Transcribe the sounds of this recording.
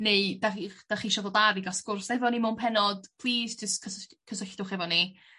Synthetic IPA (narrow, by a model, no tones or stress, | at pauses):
neɨdaχid̥aχiʃɔðodabiɡaskʊrsɛvɔnimʊnpʰɛnɔd̥pʰl̥ˠiːzd͡ʒəstkʰəskʰːəsəɬd̥ʊχɛvɔni